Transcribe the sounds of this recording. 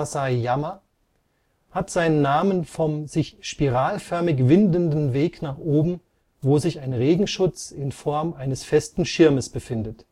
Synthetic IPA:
saɪjamɐ | hatz̥aɪnənːaːmənfɔmzɪçʃpiʁaːlfœɐmɪç̬vɪndəndn̩veːknaːχʔoːbm̩ | voːzɪçaɪnʁeːɡŋ̩ʃʊt͡sɪnfɔɐmaɪnəsfɛstn̩ʃɪɐməsb̥əfɪndət

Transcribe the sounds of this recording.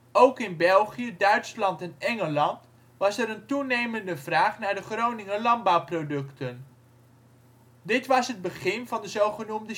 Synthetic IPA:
owkɪnbɛlˠχijədœɥtslɑntɛnɛŋəlɑnt | ʋɑsɛɾəntunejməndəvraːχnaːɹdəχrownɪŋəlɑnbɑwprowdɵktən | dɪtʋɑsɦəd̚bəχɪnvɑndəzowχənumdə

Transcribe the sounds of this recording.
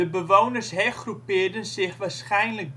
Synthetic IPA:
əbəʋownərsɦɛχrupɪːrdənsɪχʋaːrsχɛjnlək̚

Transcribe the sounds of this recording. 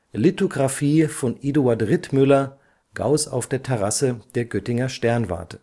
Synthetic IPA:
litoɡʁafiːfɔnʔiduatʁɪtmʏlɐ | ɡ̥a̰ʊsa̰ʊfd̥eːɐtʰɛʁ̞asəd̥eːɐɡœtɪŋɐʃtɛɐnva̰ɐtə

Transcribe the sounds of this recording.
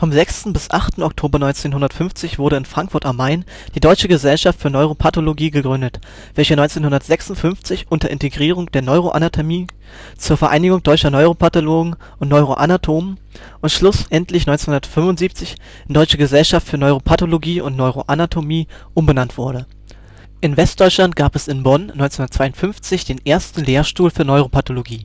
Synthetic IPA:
fɔmzɛkstn̩bɪsʔaχtn̩ɔk̚tʰoːbɐnɔʏnt͡seːnɦʊndɐtfʏnft͡sɪçv̥ʊɐɾəɪnfʁ̥aŋkfʊɐtamaɪn | d̥iːdɔʏt͡ʃəɡəzɛlʃaftfyːɐnɔʏʁ̞opʰatoloɡiːɡəɡʁʏndət | v̥ɛlçənɔʏnt͡seːnhʊndɐtz̥ɛksʊntfʏnft͡sɪçʔʊntɐʔɪ̰nteɡʁiːʁʊŋd̥eːɐnɔʏʁ̞oʔa̰natʰomiː | t͡suːɐfɛɐʔa̰ɪnɪɡʊŋd̥ɔʏt͡ʃɐnɔʏʁopʰatoloːɡŋ̩ | ʔʊntnɔʏʁoʔanatʰoːmən | ʔʊntʃlʊsʔɛntʰlɪçnɔʏnt͡senhʊndɐtfʏmvʊntz̥iːp̚t͡sɪç | ndɔʏt͡ʃəɡəzɛlʃaftfyːɐnɔʏʁopʰatoloɡiːʔʊ̰ntnɔʏʁoʔanatʰomiː | ʔʊmbənantv̥ʊɐɾə | ʔɪnvɛst̚d̥ɔʏt͡ʃlant̚ɡ̥aːpɛsɪnbɔnnɔʏnt͡senhʊndətt͡sv̥aɪʊntfʏnft͡sɪçd̥eːnʔeːɐstn̩leːɐʃtuːlfyːɐnɔʏʁopʰatoloɡiː

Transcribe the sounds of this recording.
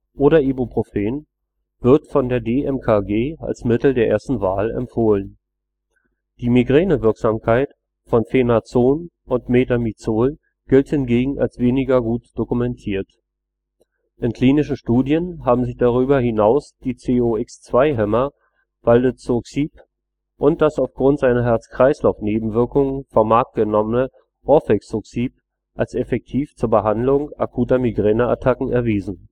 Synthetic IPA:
ʔoːɾɐʔebopʁ̥ofeːn | v̥ɪɐtfɔndeːɐdeːʔɛmkʰaɡeːa̰lsmɪtl̩deːɐḛːɐstn̩vaːlɛ̰mfoːlən | d̥iːmiɡʁɛːnəvɪɐkz̥aːmkʰaɪt | fɔnfenat͡soːn | ʔʊntmeːtamit͡soːl | ɡ̥ɪlthɪnɡeːɡŋ̩ʔa̰lsv̥eːnɪɡɐɡuːtd̥okumɛntʰiːɐt | ʔɪnkʰl̥iːnɪʃn̩ʃtuːdjənɦaːbm̩zɪçd̥aʁ̞yːbɐhɪnaʊsd̥iːt͡seːoɪkst͡sv̥aɪɦɛmɐ | v̥aldət͡soksiːp | ʔʊnt̚d̥asaʊfɡ̥ʁʊntz̥aɪnɐɦɛɐt͡skʁ̥aɪslaʊfneːbm̩vɪɐkʊŋəfɔɐmaɐk̚t̚ɡ̥ənɔmənə | ʁɔfɛksoksiːp̚ | ʔalsɛfɛk̚tʰiːft͡suːɐbəɦandlʊŋʔakʰuːtɐmiɡʁɛːnəa̰tʰakŋ̩ɛɐviːzn̩

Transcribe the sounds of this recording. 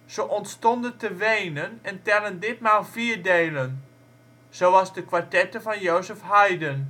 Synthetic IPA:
z̥əʔɔntstɔndəntəʋejnənɛntɛləndɪt̚maːlˠfiːɹdeːlən | z̥oːɑzdəkʋaɹtɛtəvɑnjoːzəfhajdən

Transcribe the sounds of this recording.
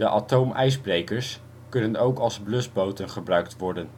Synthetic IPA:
dəʔatowmʔɛjzbrejkəɹs | kɵnənowkɑlˠzblɵsbowtənχəbrœɥktʋɔɹdən

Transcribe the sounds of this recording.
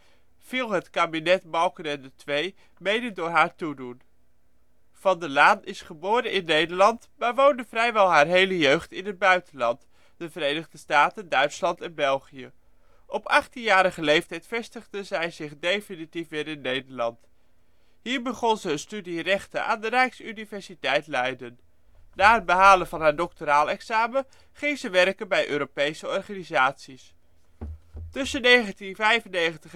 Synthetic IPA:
v̥ɪːlˠɦətkaːbinɛtmɑlˠkənɛndətʋej | mejdəndʊːɹɦaːɹtudun | v̥ɑndəlaːnɪsχəboːɾənʔɪnːejdəɹlɑntmaːɹʋowndəvrɛjʋɛlˠɦaːɹɦejləjøɥχtɪnɦəd̚bœɥtənlɑnt | d̥əvəɾejnəχdəstaːtəndœɥtslɑntɛnbɛlˠχijə | ʔɔpɑχtinjaːɾəχəlejftɛjtfɛstəχdəzɛjzɪχdejfinitifʋɪːɾɪnːejdəɹlɑnt | ɦiːɹbəχɔnzəənstydirɛχtəʔa̰ːndərɛjksynivɛɹsitɛjtlɛjdən | naːɦəd̚bəɦaːlənvɑnɦaːɹdɔk̚toɾaːlˠɛksaːmə | χɪŋzəʋɛrkənbɛjʔø̰ːɾopejsəɔrχaːnizaːtsis | tɵsənejχəntinvɛjvənejχəntəχ

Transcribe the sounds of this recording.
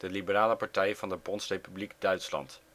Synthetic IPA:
d̥əlibəraːləpɑɹtɛjvɑndəpɔnsrejpybliɡdœɥtslɑ̰nt

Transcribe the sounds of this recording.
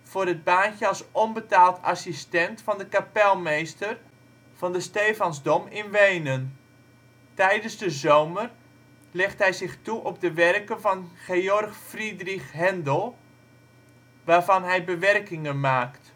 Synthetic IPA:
v̥ʊːrəd̚baːnçəɑlˠsɔnbətaːlˠtʰa̰sistɛntfɑndəkapɛlˠmejstər | v̥ɑndəsteːfɑnzdɔmɪnʋejnən | tɛjdənzdəzoːmər | lɛχtɦɛjzɪχtuʔɔb̚dəʋɛrkənvɑnχeɔrxfridrixɦɛndəlˠ | ʋaːrvɑnɦɛjbəʋɛrkɪŋənmaːkt

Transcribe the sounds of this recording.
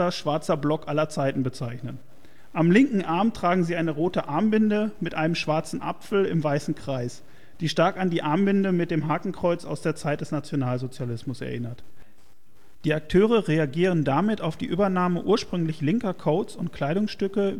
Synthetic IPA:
ɐʃv̥aɐt͡sɐblɔkʔalɐt͡saɪtn̩bət͡saɪçnən | ʔamlɪŋkŋ̩ʔaɐmtʁ̥aːɡŋ̩ziːʔaɪnəʁoːtəʔaɐmbɪndəmɪtʔaɪnəmʃv̥aɐt͡sn̩ʔa̰pfl̩ɪ̰mvaɪsn̩kʁ̥aɪs | d̥iːʃtaɐkandiːʔaɐmbɪndəmɪt̚d̥eːmɦaːkŋ̩kʁ̥ɔʏt͡sa̰ʊsd̥eːɐt͡saɪt̚d̥ɛsnat͡sjonaːlzot͡sjalɪsmʊsɛ̰ɐʔɪnɐt | d̥iːak̚tʰøːʁəʁeaɡiːʁ̞əndamɪtaʊfd̥ḭːʔyːbɐnaːməʔuːɐʃpʁ̥ʏŋlɪçlɪŋkɐkʰoʊt͡sʊnt̚kʰl̥aɪɾʊŋsʃtʏkə

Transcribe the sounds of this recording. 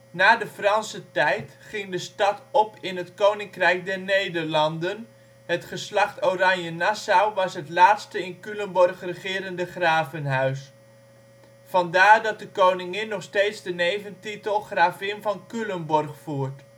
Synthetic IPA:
naːdəfrɑnsətɛjt | χɪŋdəstɑtɔpɪnɦətkownɪŋkrɛjk̚dɛɹnejdəɹlɑndən | ɦətχəslɑχtowrɑɲjənasawʋɑsɦətlaːtstəɪnkylənbɔrχrəχɪːɾəndəχraːvənɦœɥs | fɑndaːɹdɑt̚dəkownɪŋɪnːɔχstejtzdənejvəntitəlˠχraːvɪnvɑnkylənbɔrχfuːɹt

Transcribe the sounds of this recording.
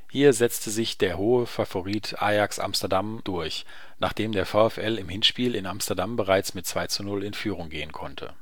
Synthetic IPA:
hiːɐzɛt͡stəzɪçd̥eːɐɦoːəfafoʁiːtʰʔa̰ːjaksʔa̰mstɛɐdamd̥ʊɐç | naːχd̥eːmdeːɐfaʊɛfʔɛlɪmhɪnʃpiːlɪnamstɐdambəʁaɪt͡smɪt̚t͡sv̥aɪt͡sunʊlɪnfyːʁ̞ʊŋɡeːənkʰɔntʰə̰

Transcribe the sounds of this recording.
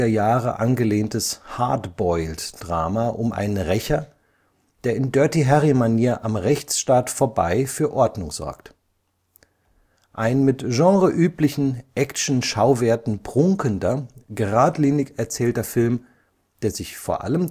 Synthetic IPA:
ɐjaːʁə̰ʔanɡəleːntəsha̰ɐtb̥ɔʏltd̥ʁaːmaʔʊmʔa̰ɪnənʁɛçɐ | d̥eːɐɪndœɐtiɦɛʁimaniaɐʔamʁɛçt͡sʃtaːtfoːɐba̰ɪfyːɐʔɔɐdnʊŋz̥ɔ̰ɐkt | ʔaɪnmɪtʒ̥ɑ̃ːʁəʔyːplɪçn̩ʔɛkʃn̩ʃaʊveːɐtn̩pʁ̥ʊŋkəndɐɡəʁaːtliːnɪçɛɐt͡sɛːltɐfɪlm | d̥eːɐzɪçfoːɐʔa̰ləm

